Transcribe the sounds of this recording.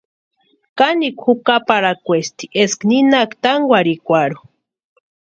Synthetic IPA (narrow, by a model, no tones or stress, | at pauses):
kanikʷxukapaɾakʷest̪i̥ʔeskninakt̪aŋɡʷwʷaɾikʷaɾu